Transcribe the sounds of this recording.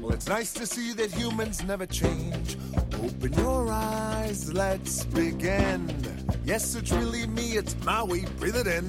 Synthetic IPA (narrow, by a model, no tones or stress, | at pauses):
wɛlˠɨtsnaɪstʰɨsiðɨt̚hjʉmɨ̃nznɛvə˞t͡ʃʰẽɪ̃nd͡ʒ | oʊpɨ̃njə˞aɪzlɛtsb̥ɪɡɪ̃n | jɛsɨtsɹɪlˠimiɨtsmaɪweɪb̥ɹɪðɨɾɨ̃n